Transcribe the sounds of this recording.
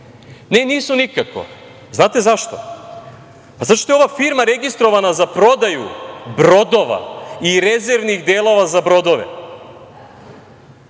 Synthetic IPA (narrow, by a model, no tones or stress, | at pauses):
neniːsunikako̰ | znaːt̪e̞zaʃt̪o̰ | pazaʃt̪oeoʋafiɾmaɾeɡist̪ɾo̞ʋanazapɾo̞d̪ajṵbɾo̞d̪o̞ʋa̰iɾezeɾʋniɣd̪eːlˠo̞ʋazabɾo̞d̪o̞ʋḛ